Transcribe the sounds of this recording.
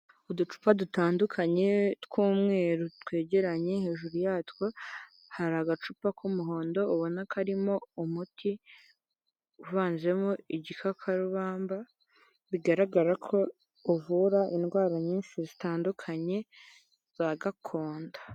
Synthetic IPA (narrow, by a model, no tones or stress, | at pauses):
udut͡ʃu̥padutaːndukʰaɲe̞tkuːmŋe̞ːɾotwe̞ːɟe̞ɾaɲe̞he̞ːʒuɾujaːtwo | haɾaɡat͡ʃupakumuɦo̞ːndo̞uβo̞nakʰaɾimo̞umutʰi | uvaːnze̞moiɟikʰakʰaɾuβaːmba | βiɡaɾaɡaɾakʰo̞ː | vuɾaʔinɡwaːɾaɲiːnʃizitaːndukʰaɲe̞ | z̥aɡakʰo̞ːndḁ